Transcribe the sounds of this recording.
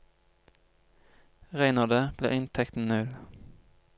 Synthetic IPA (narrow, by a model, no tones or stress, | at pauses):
ʁæɪnɑd̪əb̥lḛːʔɪnt̪ʰɛkt̪n̩nʉl